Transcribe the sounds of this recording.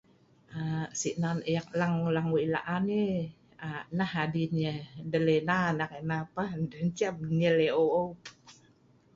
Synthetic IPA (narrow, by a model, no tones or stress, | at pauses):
ʔasiʔnanjak̚laŋlaŋuila̰ʔani | anahadinədəlenanakenapandənt͡ʃab̚nəleoo